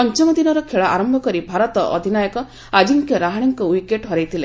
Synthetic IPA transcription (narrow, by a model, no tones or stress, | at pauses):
pɔnt͡ʃɔmɔd̪inɔɾɔkʰeɭaʔa̰ɾɔmbʱɔkɔɾibʱaɾɔt̪ɔʔɔd̪ʱinajɔkɔ | ad͡ʒiŋkjɔɾaɦaɽ̃iŋkɔwikeʈɦɔɾajt̪ʰile